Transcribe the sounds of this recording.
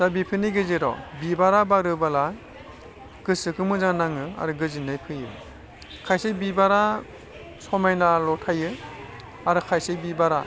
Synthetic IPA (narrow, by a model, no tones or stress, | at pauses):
z̥abipʰɯniɡɯziɾɔ̰bibaɾabaɾɯbala | ɡ̥ɯsɯkɯmɯzaŋnaŋɯa̰ɾɯɡɯzinɯjpʰɯjɯ̰ | kʰajsebibaɾa | sɔmajnalɔtʰajɯ | aɾɯkʰajsebibaɾa̰